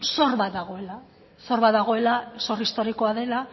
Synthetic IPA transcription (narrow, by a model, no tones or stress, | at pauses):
so̞rβat̪̚d̪aɣ̞o̞ela | so̞ɾβat̪d̪aɣ̞oe̞laso̞ɾist̪o̞ɾiko̞aðe̞la